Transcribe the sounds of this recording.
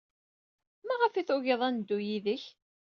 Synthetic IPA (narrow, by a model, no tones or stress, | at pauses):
mæʁəfiθʊʝeðˤænd̪ːujiðəç